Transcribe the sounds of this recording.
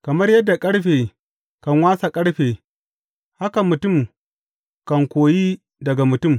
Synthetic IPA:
kɐ˨mɐ˦rjɐ˦dːa˨kʼɐ˦ɽɸeː˨ | kɐ˨ŋwaː˦sa˨kʼɐ˦ɽɸeː˨ | ha˦ka˨mʊ˨tʊ˦˨m | kɐ˨ŋkʷoː˨jiː˦ | dɐ˨ɡa˨mʊ˨tʊ˦˨m

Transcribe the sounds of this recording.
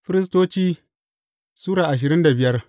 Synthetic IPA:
ɸɪ˦ɾɪ˦s̬toː˦t͡ʃiː˦ | suː˦ɽaː˨ʔa˨ʃ̬ɪ˨ɾɪ˦nda˨bɪ˦jɐ˦r

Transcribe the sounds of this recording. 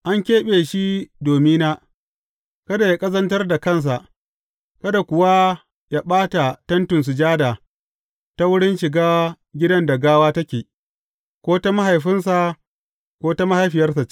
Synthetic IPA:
ʔa˦ŋkʲeː˦ɓeː˨ʃi˦doː˨mi˦naː˦ | kɐ˦da˨ja˦kʼɐ˦zɐ˦ntɐ˦rda˨kɐ˦˨ns̬a˨ʔ | kɐ˦da˨kʷʊ˨wa˦ | jaː˦ɓaː˦ta˨tɐ˦ntʊ˨ns̬ʊ˨d͡ʒaː˦daː˨ | ta˦wʊ˦ɽɪ˦nʃɪ˨ɡaː˦ | ɡʲɪ˦dɐ˦nda˨ɡaː˦waː˦tɐ˦kʲeː˨ | kʷoː˦ta˦ma˦ɦa˨jɸɪ˦ns̬a˨ | kʷoː˦ta˦ma˦ha˨jɸɪ˨jɐ˦rsa˨

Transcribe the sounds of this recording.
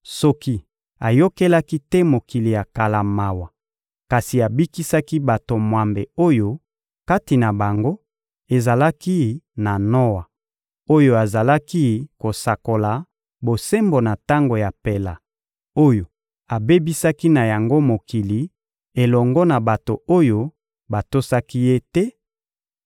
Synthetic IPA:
sɔ˦ki˦ | a˨jo˦ke˦la˦ki˦tɛ˦mo˨ki˨li˨ja˨ka˨la˨ma˨wa˨ | ka˨si˨a˨bi˦ki˦sa˦ki˦ba˨to˨mwa˨mbe˨o˦jo˦ | ka˦ti˨na˨ba˨ŋɡo˦ | e˨za˨la˦ki˦na˨nɔ˦wa˨ | o˦jo˦a˨za˨la˦ki˦ko˨sa˨ko˨la˨ | bo˨se˦mbo˨na˨ta˦ŋɡo˨ja˨pe˨la˨ | o˦jo˨ | a˨be˦bi˦sa˦ki˦na˨ja˨ŋɡo˦mo˨ki˨li˨ | e˨lɔ˨ŋɡɔ˦na˨ba˨to˨o˦jo˦ | ba˨to˦sa˦ki˦je˦tɛ˦

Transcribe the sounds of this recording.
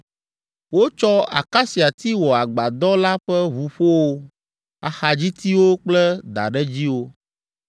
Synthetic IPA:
wo˦t͡ʃɔ˦a̰˨ka˦si˨a˨t̪i˦wɔ˨a˨ɡ͡ba˨d̪ɔ˦la˦ɸɛ˦βu˨ɸo˦wo˦ | a̰˨xa˨d͡ʑi˦t̪i˦wo˦k͡plɛ˦d̪a̰˨ɖɛ˦d͡ʑi˦wo˦

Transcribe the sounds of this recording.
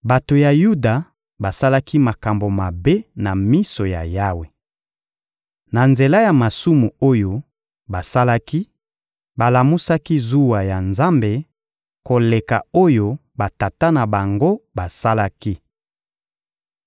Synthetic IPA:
ba˨to˨ja˨ju˦da˨ | ba˨sa˦la˦ki˦ma˨ka˨mbo˨ma˨be˦na˨mi˦so˨ja̰˨ja˦we˨ | na˨nze˨la˦ja˨ma˨su˦mu˨o˦jo˨ | ba˨sa˦la˦ki˦ | ba˨la˨mu˦sa˦ki˦zu˦wa˨ja˨nza˦mbe˨ | ko˨le˨ka̰˨o˦jo˦ | ba˨ta˨ta˦na˨ba˨ŋɡo˦ba˨sa˦la˦ki˦

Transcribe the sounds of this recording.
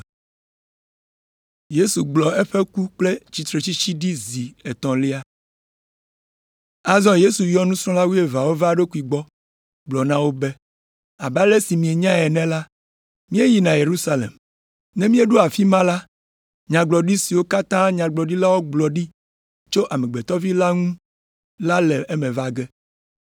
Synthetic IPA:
je˦su˨ɡ͡blɔ˨e˦ɸe˦ku˦k͡ple˦t͡ɕi˨t̪ɾe˨t͡ɕi˦t͡ɕi˦ɖi˦zi˨e˨t̪ɔ̃˨li˦a˦ | a˨zɔ̃˦je˦su˨jjɔ˦nũ˦sɾ̃ɔ̃˦la˦wu˦e˨va˨wo˦va˨ɖe˦ku˨˦i˨ɡ͡bɔ˦ | ɡ͡blɔ˨nã˦wo˦be˦ | a˨ba˦le˦si˨mĩ˨e˨ɲã˦ɛ˨nɛ̃˦la˦ | mĩ˦e˦ji˨nã˨je˨ɾu˦sa˦lḛ˨m | nɛ̃˦mĩ˦e˦ɖuo˦a˨fi˦mã˦la˦ | ɲã˨ɡ͡blɔ˨ɖi˦si˨wo˦ka˦t̪ã˦ɲã˨ɡ͡blɔ˨ɖi˦la˦wo˦ɡ͡blɔ˨ɖi˦ | t͡ʃo˦ʔa˨mɛ̃˨ɡ͡bɛ˨t̪ɔ˦vi˦la˦ŋũ˦ | la˦lɛ˨e˦mɛ̃˨va˦˨ɡɛ˦

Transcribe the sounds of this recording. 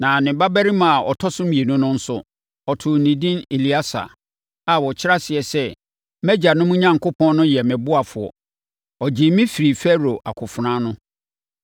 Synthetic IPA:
nã˨nɪ̃˨˦ba˦bæ˦ɾi˦mã˨ɔ˨tʰɔ˦sʊ̃˦mĩ˨e˨nũ˦nʊ̃˦n̩˦sʊ˨ | ɔ˨tʰʊ˨nĩ˨dĩ˦ne˨li˦a˦sa̰˨ | a˨wɔ˨t͡ɕʰɪ˦a˦sɪ˨ɛ˨sɛ˦ | mɛ˦d͡ʑa˨nʊ̃˦mũ˦ɲã˦ŋkʰʊ˦pʰɔ̃˦nː˦ʊ̃˦jɛ˨mɛ̃˨bʊ˦a˨fʊ˨ɔ̰˨ | ɔ˨d͡ʑɪ˨mĩ˦fi˨ɾi˨fɛ˦ɾo˨ʔa̰˨kʰʊ˨fʊ˨ɾã˦nʊ̃˦

